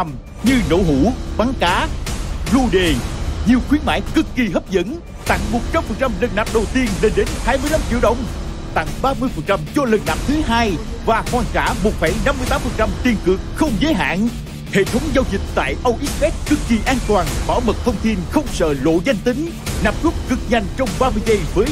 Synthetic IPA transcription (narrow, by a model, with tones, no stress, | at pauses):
m | ɲɨ˧no̰˧˥ɦu˧˩ɓa˨˦ŋkaː˨˦lu˧ɗe˨˩ɲi˨˩əwxwi˨˦ənma̰ː˧˥˦jkɨ˨˦˥kːi˨˩ɦə˦˥p̚zə̰˧˥n | t̪a̰˧˨ŋmo˨˩t̚t͡ɕa˧mfə˨˩ŋt͡ɕa˧mlə˨˩nnaː˨˩p̚ɗə˨˩wt̪i˧ənle˧nɗe˨˦nhaː˧jmɨ˧jla˧mt͡ɕḭ˧˥əwɗə̰˧˨wŋ͡m | t̪a̰˧˨ŋɓaː˧mɨ˧əjfə˨˩ŋ̚t͡ɕa˧mt͡ɕɔ˧lə˨˩nnaː˨˩p̚t̪ʰɨ˨˦ɦaː˧j | vaː˨˩kwaː˧˩nt͡ɕaː˧˩mo˨˩t̚fa˧˩jna˧mːɨ˧əjt̪aː˨˦mfə˨˩nt͡ɕa˧mt̪i˧ənkɨ˨˩ək̚xə˧wŋ͡mzəː˨˦jɦa̰ː˧˨n | hḛ˧˨t̪ʰə˨˦wŋ͡mza˧wzï˨˩k̟̚t̪a̰ː˧˨jʔə˧wʔi˦˥t̚fɛ˦˥t̚kɨ˨˧˩kːi˨˩ʔaː˧nt̪waː˨˩nɓɔ̰˧˩mə˨˩t̚t̪ʰə˧wŋ͡mt̪ʰi˧nxə˧wŋ͡msə̰ː˧˨lo̰˧˨za˧jŋ̟t̪ï˨˦ŋ̟ | na˨˩msu˦˥p̚kɨ˨˩k̚ɲa˨˩jŋ̟t͡ɕɔ˧wŋ͡mɓaː˧mɨ˧jzə˧jvəː˨˦j